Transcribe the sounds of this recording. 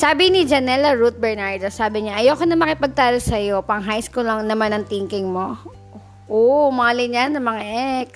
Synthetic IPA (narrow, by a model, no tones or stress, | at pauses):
saːbɪnɪd͡ʒɐnɛlɐɹut̪̚bɛɹnaɹd̪osaːbɪɲaʔɐjowkonɐŋmɐkɪpɐɡ̚t̪aːlosɐjo̞pɐŋɦajskulɐŋnɐmanɐŋt̪iŋkɪŋmo̞ | ʔomɐŋalɪɲanːɐmɐŋaʔɛk̚